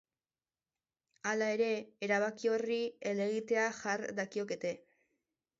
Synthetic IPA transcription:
alae̞ɾe̞ːɾaβ̞akio̞riele̞ɣit̪e̞aʝaɾd̪akio̞ke̞t̪e̞

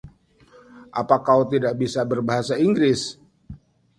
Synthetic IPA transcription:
ʔapakawt̪idaʔ̚bisabərbaɦasaiŋɡɾɪs

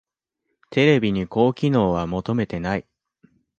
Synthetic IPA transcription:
t̪ʰe̞ɾe̞bʲiɲ̟iko̞ːkʲino̞ːβ̞amo̞t̪o̞me̞t̪e̞nai

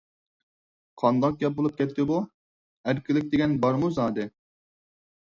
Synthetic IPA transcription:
qʰɑnd̪ɑq̚ɡʲɛp̚bolˠup̚kʲʰɛt̪ʰːɪbu | æɾkʲilɪk̚ʲd̪ɪɡʲɛnbɑɾmuzɑːd̪ɨ

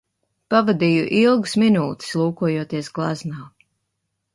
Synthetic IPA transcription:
pavad̪iːjuʔilˠɡusminuːt̪i̥slˠuːkuɔjuɔt̪iɛsɡlˠaznaː

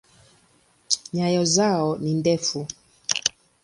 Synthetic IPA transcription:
ɲajɔzaɔnindɛfu

